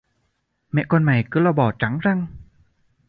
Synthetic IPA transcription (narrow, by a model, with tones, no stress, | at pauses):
mɛ̰˧˨ʔkɔ˧nma˨˩jkɨ˨˦lɔ˧ɓɔ˨˩t͡ɕa˨˦ŋza˧ŋ